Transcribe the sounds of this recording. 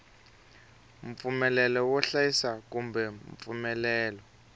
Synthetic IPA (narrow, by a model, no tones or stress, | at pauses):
mp̪fumɛlɛlɔwɔɬajisakumbɛmp̪fumɛlɛːlɔ